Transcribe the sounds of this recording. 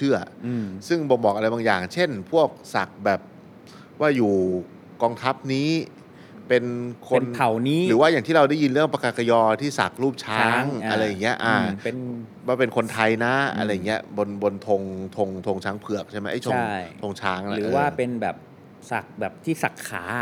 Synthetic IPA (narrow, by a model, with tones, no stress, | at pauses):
t͡ɕʰɯ˥˩ɐ˧sɯ˥˩ŋbɔ˧bɔː˨˩k̚ʔa˧ɾa˧jbaː˧ŋjaː˨˩ŋt͡ɕʰe˥˩npʰu˥˩ək̚sa˨˩k̚bɛː˨˩p̚ | waː˥˩juː˨˩ | kɔː˧ŋt̪ʰa˦˥p̚niː˦˥ | pe˧nkʰo˧npʰa˨˩˦wniː˦˥ɾɯː˩˦waː˥˩jaː˨˩ŋt̪ʰiː˥˩ɾa˧wda˥˩ji˧nɾɯ˥˩əŋpa˧ka˨˩ka˧jɔː˧t̪ʰiː˥˩sa̰˨˩k̚ɾuː˥˩p̚t͡ɕʰaː˧˦˥ŋʔa˧ɾa˧jːa˨˩ŋːi˦˥ɐʔa˧˩pe˧n | waː˥˩pe˧nkʰo˧nt̪ʰa˧jna˦˥a̰˧ɾa˧jːŋːi˦˥ɐbo˧nbo˧nt̪ʰo˧ŋt̪ʰo˧ŋt̪ʰo˧ŋt͡ɕʰaː˦˥ŋpʰɯ˨˩ək̚t͡ɕʰma˦˥ʔa˥˩o˧a˥˩t̪ʰo˧ŋt͡ɕʰaː˦˥ŋ˧na˧ɾɯː˩ʔːwaː˧˥˩pe˧nbɛ̰ː˨˩p̚ | sa̰˨˩k̚bɛː˨˩p̚t̪ʰiː˥˩sa˨˩k̚ʰːa̰ː˩˦